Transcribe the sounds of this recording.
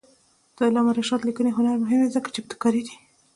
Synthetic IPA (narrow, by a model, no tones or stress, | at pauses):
d̪̥ɑlɑmaɾaʃɑt̪likəneɦʊnaɾmʊɦɪmd̪ezəkḁt͡ʃeb̚t̪ɪ̥kɑɾid̪i